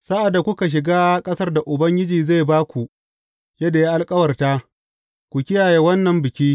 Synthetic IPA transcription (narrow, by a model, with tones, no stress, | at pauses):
sa˦ʔa˨dːa˨kʷʊ˦ka˨ʃ̬ɪ˨ɡaː˦kʼɐ˦sɐ˦rda˨ʔʊ˨bɐ˦ŋɡʲɪ˦d͡ʒiː˨za˦˨baː˦kʷu˨ | jɐ˦da˨jaː˦ʔa˨lkʼɐ˦wɐ˨rtaː˦ | kʷu˨kʲɪ˦jaː˨jeː˦wɐ˦nːɐ˨mbɪ˨kʲiː˦